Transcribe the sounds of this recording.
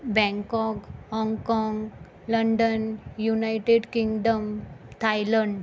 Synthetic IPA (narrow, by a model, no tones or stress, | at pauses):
bɛ̃ŋkɔkhɔŋɡkɔŋɡ | ləɳɖənjunajʈeɖkiŋɡɖəmt̪ʰajləɳɖ